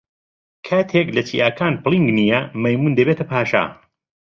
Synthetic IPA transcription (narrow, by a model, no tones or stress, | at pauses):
kʰaːt̪ʰeklɐt͡ʃiːʔaːkʰaːnplˠiŋɡnijɐmɐjmuːnd̪ɐbeːt̪ʰɐpʰaːʃa̰